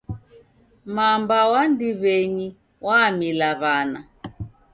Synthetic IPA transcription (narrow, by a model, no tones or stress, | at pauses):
mambawandiβɛɲi | wamilaβana